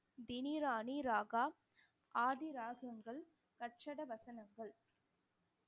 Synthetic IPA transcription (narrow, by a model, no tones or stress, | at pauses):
d̪ɪniɾaːniɾaːɣaː | ʔaːðɪɾaːɣɐŋɡɐɭ | kɐʈ̚t͡ʃɐɽɐʋɐsɐnɐŋɡɐɭ